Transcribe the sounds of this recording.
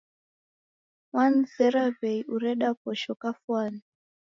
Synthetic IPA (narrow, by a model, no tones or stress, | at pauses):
wanzɛɾaveiʔuɾɛɗakɔʃɔkafwaːni